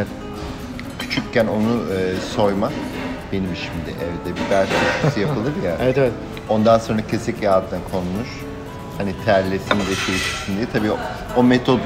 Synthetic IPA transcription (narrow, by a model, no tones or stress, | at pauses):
t̪ | cʰy̥t͡ʃʰyccːæno̞nuɯso̞jmabe̞nimʃimd̪ɪ̰ʔɛvd̪ɛbibæɾd͡ʒaʃksɯjapʰɯlˠɯɾjaeɛt̪eʋɛt | o̞nd̪anso̞nɾacʰe̞sɛcjaːd̪ɯnakʰonunˠuɾ̥ | hanit̪ʰæɾlʲːesind̪ɛt͡ʃʰejiʃi̥csind̪iɛt̪ʰabiː | o̞met̪ʰod̪